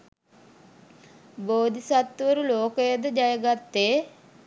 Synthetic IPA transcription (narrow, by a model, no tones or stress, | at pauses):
boːd̪ʱisɐt̪ːʋɐɾuloːkɐjɐd̪ɨd͡ʒɐjɐɡɐt̪ːeː